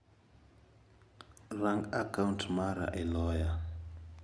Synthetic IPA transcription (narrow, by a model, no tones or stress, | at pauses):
raŋɡakauntʰmaɾa̰ʔɛlɔːja